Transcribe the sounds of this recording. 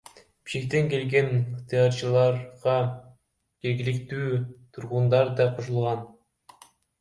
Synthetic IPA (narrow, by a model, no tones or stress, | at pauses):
b̥i̥ʃkʲek̚t̪eŋke̞lɡe̞nχt̪ɨjɑɾt͡ʃɯlˠɑɾʁɑ | d͡ʒe̞ɾɡʲilikt̪yːt̪ʰuɾʁund̪ɑɾd̪ɑqʰoʃulˠʁɑn